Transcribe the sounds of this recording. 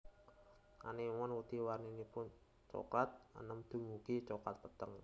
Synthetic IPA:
ʔa̰nimɔnwut̪iwarninipʊn | t͡ʃo̰kat̪̚ə̰nəmd̪̥ṳmukit͡ʃokat̪̚pət̪əŋ

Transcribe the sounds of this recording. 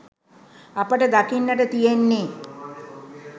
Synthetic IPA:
apəʈəd̪akinːəʈət̪ijenːeː

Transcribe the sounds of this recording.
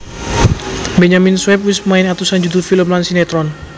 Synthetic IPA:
bɛɲaminswɛp̚wisəmaɪnat̪usand͡ʒud̪ufiləmlansinɛt̪ɾɔn

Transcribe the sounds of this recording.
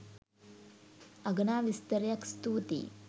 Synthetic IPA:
ɐɡɐnaːʋist̪ɐɾjɐkst̪uːt̪ḭ

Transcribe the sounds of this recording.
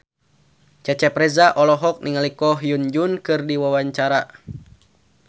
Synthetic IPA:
t͡ʃɛt͡ʃɛpɾɛzaʔɔlɔɦɔk̚niŋalikɔɦjund͡ʒunkɨrdiwawaɲt͡ʃaɾa

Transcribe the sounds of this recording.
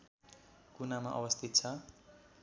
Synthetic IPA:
kunamaʔʌwʌst̪ʰit̪̚t͡sʰʌ

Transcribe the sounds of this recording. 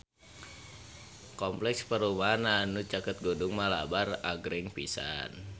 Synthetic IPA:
kɔmplɛkspəɾumaɦananut͡ʃakət̪̚ɡudʊŋmalabaraɡɾɪŋpisa̰n

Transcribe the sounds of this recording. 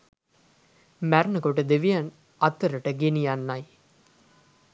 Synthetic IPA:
mæɾnəkoʈəd̪eʋijan | ɐt̪ːəɾəʈəɡenijanːaj

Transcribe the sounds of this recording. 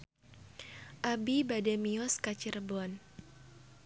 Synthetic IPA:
ʔabibadɛmiɔskat͡ʃirbɔn

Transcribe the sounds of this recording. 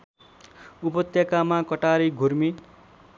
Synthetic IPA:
upʌt̪jakamakʌʈaɾiɡʱurmi

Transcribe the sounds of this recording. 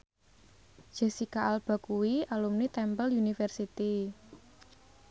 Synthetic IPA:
ʒ̥ɛsikaʔalb̥a̤kuwialumnit̪ɛmpəljunifɛrsit̪i

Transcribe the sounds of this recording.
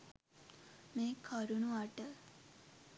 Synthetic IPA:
meːkʰəɾunuaʈə

